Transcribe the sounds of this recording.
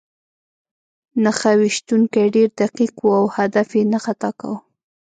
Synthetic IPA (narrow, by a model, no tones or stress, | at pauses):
naxawiʃt̪uŋkajɖeɾd̪aqiqwuawhad̪afjenaxat̪ɑka̰w